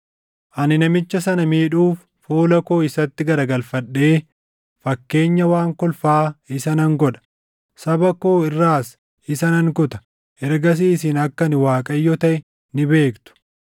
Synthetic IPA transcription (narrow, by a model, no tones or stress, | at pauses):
ʔɐnɪnɐmɪt͡ʃːɐsɐnɐmiːᶑuːfːoːlɐko̞ːɪsɐt̪ːɪɡɐɾɐɡɐlfɐɗːe̞ː | fɐkːe̞ːɲːɐwaːŋkɔlfaːɪsɐnɐŋɡɔᶑɐ̥ | sɐbɐko̞ːɪrːaːs | ɪsɐnɐŋkʊt̪ɐ̥ | ɛɾɡɐs̬iːsɪnɐkːɐnɪwaːkʼɐjːɔt̪ɐʔɛ | nɪbe̞ːkt̪ʊ̥